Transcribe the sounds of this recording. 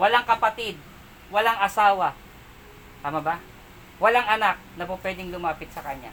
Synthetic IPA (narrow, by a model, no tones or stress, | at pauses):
wɐlaŋkɐpɐt̪ɪd̪̚ | wɐlaŋɐsaːwɐ | t̪aːmɐba | wɐlaŋɐnak̚nɐpopwɛːd̪ɪŋlʊmaːpɪt̪̚sɐkɐɲa̰